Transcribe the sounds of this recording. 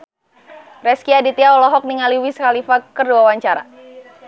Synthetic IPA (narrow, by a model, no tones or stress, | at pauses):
rɛskiadit̪iaɔlɔɦɔk̚niŋaliwiskalifakərduawaɲt͡ʃaɾa̰